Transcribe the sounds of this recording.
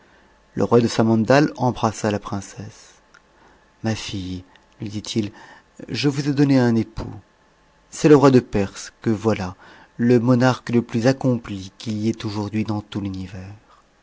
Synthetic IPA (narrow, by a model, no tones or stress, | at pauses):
lə̰ʁwad̪əsamɑ̃nd̪alɑ̃bʁasalapχɛ̃sɛs | mafij | lɥid̪it̪ʰil | ʒəvuzɛd̪ɔneɛ̃nepʰṵ | sɛləʁwad̪əpɛʁskəvwala | ləmɔnaʁkləplyzakɔ̃plikʲiliɛt̪oʒuʁd̪ɥid̪ɑ̃t̪ulynivɛʁ